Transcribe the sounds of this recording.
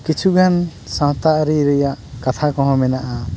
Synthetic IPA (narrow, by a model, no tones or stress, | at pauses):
kit͡ʃʰuɡʱansɔ̃ɦt̪aʔɾiɾəjaʔkat̪ʰakɔ̃ɦɔ̃mɛnaʔa